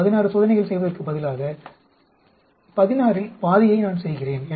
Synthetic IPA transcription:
ɐðɪnaːɾɯsoːðɐnɐɪɣɐɭsɛjʋɐðɐrkɯbɐðɪlaːɣɐ | pɐðɪnaːɾɪlpaːðɪjɐɪnaːnsɛjɣɪreːnɛ

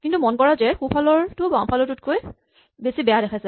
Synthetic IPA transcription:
kintumɔnkɔɹazɛxupʰalɔɹtʊbãŋpʰalɔtʊtkoj | besibɛjaɾɛkʰasɛ

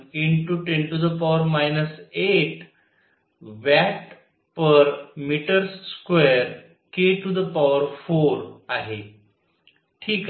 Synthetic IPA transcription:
iɳʈuʈẽɳʈud̪əpaʋəɾmajnəseʈ | ʋɛʈ | pəɾmiʈəɾsːkweɾ | keʈud̪əpaʋəɾfoɾaɦe | ʈʰiːk

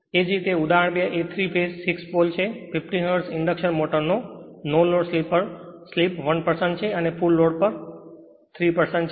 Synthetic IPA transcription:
ed͡ʒɾit̪eud̪aəɳ̃bəʔet̪ʰɾipʰesːikspolt͡ʃʰepʰifʈiɦəɾsɪɳɖəkʃənmoʈəɾno | nolːoɽslipːəɾslipʋənpəɾsəɳʈt͡ʃʰeənepulːoɽ̚pəɾ | t̪ʰɾipəɾsə̃ɳʈt͡ʃʰ

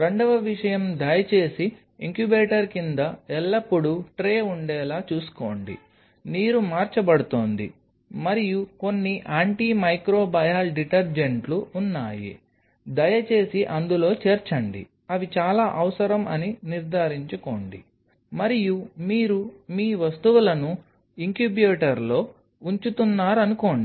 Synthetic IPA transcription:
ɾe̞ɳɖɐʋɐʋiʂɐjɐmd̪ɐjɐt͡ʃe̞ːsi | iŋkjubeːʈɐɾkind̪ɐɛlːɐpːuɽuʈɾeːuɳɖɛːlaːt͡ʃuːsu̥ko̞̰ːɳɖḭ | niːɾumaːɾt͡ʃɐbɐɽut̪oːnd̪ḭ | mɐɾijuko̞nːiʔaːɳʈiːmɐjkɾoːbɐjaːlɖiʈɐɾd͡ʒeɳʈluːnːaːjḭ | d̪ɐjɐt͡ʃe̞ːsiʔɐnd̪ulo̞ːt͡ʃeːɾt͡ʃɐɳɖḭ | ɐʋit͡ʃaːlaːʔɐʋɐsɐɾɐmʔɐ̰niniɾd̪ʱaːɾiɲt͡ʃuko̞̰ːɳɖḭ | mɐɾijumiːɾumiːʋɐst̪uʋulɐnu | iŋkjubjoːʈɐɾlo̞ː | uɲt͡ʃut̪unːaːɾɐnuko̞ːɳi

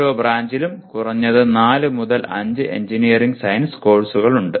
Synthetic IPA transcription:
oːbraːɲd͡ʑilumkurɐɲːɐðɨnaːlɨmuðɐlɐ̰ɲd͡ʑɨʔe̞̰ɲd͡ʑinijɐriŋɡsɐjnsko̞ːɭsuɣɐɭuɳɖɨ

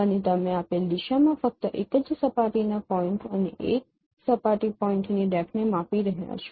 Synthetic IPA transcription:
ənet̪əmẽapeld̪iʃamãfək̚t̪əʔekəd͡ʒsəpaʈinapɔɪ̃ɳʈənḛʔek̚ | səpaʈipɔiɳʈniɖɛkʰnemapiɾəɦja̰t͡ʃʰo̥

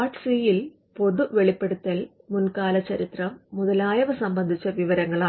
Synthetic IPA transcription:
aːʈsiːjil | po̞ðuʋeɭipːe̞ɽut̪ːɐl | munkaːlɐt͡ɕːɐɾit̪rɐmːuðɐlaːjɐʋɐsɐmbɐnd̪ʱit͡ɕːɐʋiʋɐɾɐŋːɐɭaː

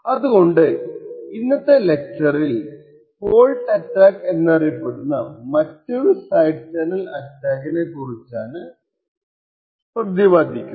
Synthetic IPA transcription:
ɐðuɣo̞ɳɖɨinːɐt̪ːele̞k̚ʈɐril | po̞ːɭʈɐʈːaːke̞nːɐrijɐpːeɽunːɐ̰mɐtːo̞ɾusɐjɖt͡ɕɐnɐlɐtːaːkine̞kurit͡ɕːaːnɨ | sprɐd̪jɐʋaːd̪ʱikʲːum

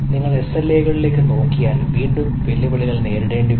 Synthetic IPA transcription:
niŋːɐɭe̞sɐlːejɣɐɭile̞ːkːɨno̞ːŋkijaːnʋiːɳɖɨmʋɐljɐbɐɭiɣɐɭne̞ːɾuɽe̞ːɳɖi

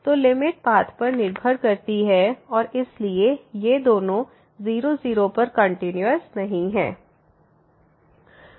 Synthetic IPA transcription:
t̪oːlɪmɪʈ̚baːt̪ʰpɐɾnɪɾbʱəɾkɐɾt̪iɦɛɔːɾɪsliejed̪oːnõ | ziːɾoziːɾõpɐɾkɐ̃ɳʈɪnjəɾsnɐɦĩɦɛ̰ː

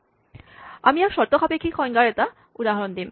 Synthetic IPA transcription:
amiaɾʃɔɾt̪okʰapekʰikʰɔjŋɡaɾet̪a | ud̪aɦaɾond̪im

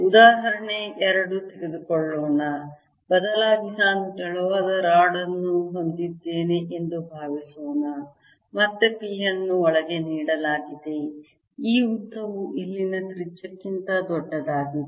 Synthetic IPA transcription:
ud̪aːɦɐɾɐɳeʔɛɾɐɽut̪eɡed̪ukɔɭːoːnɐ | bɐd̪ɐlaːd̪inaːnukɛɭuʋaːd̪ɐɾaːɽɐnːuɦond̪id̪ːe̞ːne̞ʔend̪ubʱaːʋisoːnɐ | mɐt̪ːepiːjɐnːuɔɭɐɡe̞niːɽɐlaːɡid̪e̞ | iːut̪ːɐʋuʔilːinɐt̪ɾit͡ʃːɐkːint̪ɐd̪ɔɖːɐd̪aːɡi

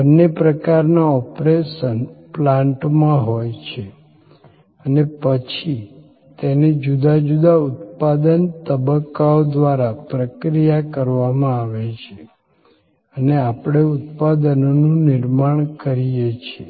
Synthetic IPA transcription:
bənːepɾəkaɾnaɔpɾeʃənplãɳʈmãɦojt͡ʃʰe | ənepət͡ʃʰi | t̪ened͡ʒud̪ad͡ʒud̪aʊt̪pad̪ənt̪əbəkːaod̪ʋaɾapɾəkɾijakəɾʋamãaʋet͡ʃʰe | əneapɽ̃eʊt̪̚pad̪ənnũnɪɾmaɳ̃kəɾijet͡ʃʰe

